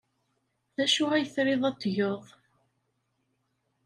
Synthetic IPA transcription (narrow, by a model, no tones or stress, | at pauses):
ðæʃʊæjθɾɪðˤæt̪ːʝoðˤ